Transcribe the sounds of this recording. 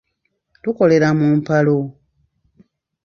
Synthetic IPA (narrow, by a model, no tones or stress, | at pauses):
tuko̞le̞ɾamumpalo̞